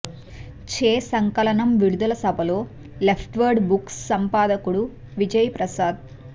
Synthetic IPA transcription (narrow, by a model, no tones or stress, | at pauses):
t͡ʃeːsɐŋkɐlɐɳɐmʋiɽud̪ulɐsɐbʱɐlo̞ː | lepʰʈʋɐɾɖbuksːɐmpaːd̪ɐkuɽu | ʋid͡ʒɐjɐpɾɐsaːd̪̚